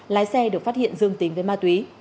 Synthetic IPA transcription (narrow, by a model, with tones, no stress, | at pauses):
laː˨˦jsɛ˧ɗɨ˨˩ək̚fa˦˥t̚hḭ˧˨ənzɨ˧əŋt̪i˨˦ŋ̟vəː˨˦jmaː˧t̪wi˨˦